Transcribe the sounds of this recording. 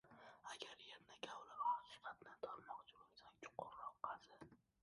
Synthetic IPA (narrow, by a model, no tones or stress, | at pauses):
aɡʲaɾjeɾnakʲʰawlɪɾɒsɪ̥fat̪ʰɪnɪt̪ʰɒɾmɒqt͡ʃʰʊlʊksat͡ʃʰʊ̥qʰʊɾːɒqːɑd̪ɪ